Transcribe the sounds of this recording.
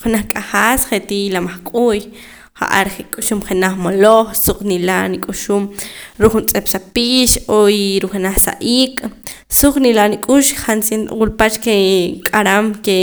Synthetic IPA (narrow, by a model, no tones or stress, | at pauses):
χenaχkʼaχaːsχet̪ilamaχkʼuːj | χa̰ʔa̰ɾχekʼuʃumχenaχmoloχsuq͡χʼnilanikʼuʃuːmɾukχunt͡sʼepsapiːʃojɾuχenaχsa̰ʔiːkʼ | suq͡χʼnilanikʼuʃχansint̪wulpat͡ʃkekʼaɾamke